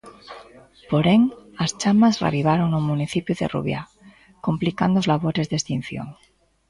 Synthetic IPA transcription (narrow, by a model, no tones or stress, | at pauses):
poɾeŋast͡ʃamazra̰βiβ̞aɾoŋumuniθipjuðḛrṵβja̰ | komplikand̪ozlaβ̞oɾe̞zðest̪in̟θjo̰ŋ